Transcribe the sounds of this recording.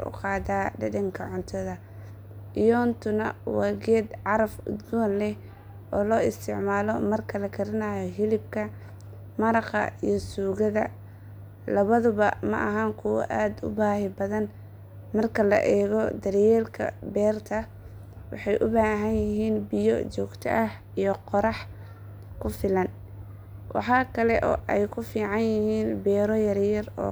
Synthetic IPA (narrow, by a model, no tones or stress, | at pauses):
ʊ̰qɑːd̪aːɖɪdɪŋkʰɐʕʊnt̪ʰɔðɐ | ʔɪjɔːnt̪ʰʊnɐwɑːɡɛːd̪ʕɑɾɐfʊ̰d̪ɡɔːnlɛ | ʔɔːlɔːɪst̪ʰɪʕmaːlɔmɐrkʰɐlɐkʰɐɾɐnaːjɔɦɪlɪb̚kʰɐ | mɐɾɑqɑ̰ijɔsuːɣɐðɐ | lɐβɐðʊβɐmɐ̰ʔɐɦɐŋkʰʊwɐ̰ʔaːd̪ʊ̰baːɦɪbɐðɐn | mɐrkʰɐlɐ̰ʔɛːɣɔd̪ɐrjɛːlkʰɐ̰bɛːrt̪ʰɐ | wɑ̰ħɑjʔʊbaːɦɐnjɪɦiːnbɪjɔ̰t͡ʃɔːɡt̪ʰɐ̰ʔɐh | ijɞqɔɾɑħ | kʰʊfɪlɐn | wɑ̰ħɑːkʰɐlɛʔɔ̰ːʔɛjkʰʊfiːʕɑnjɪhiːnbɛːɾɔjɐrjɐrɔ̰ː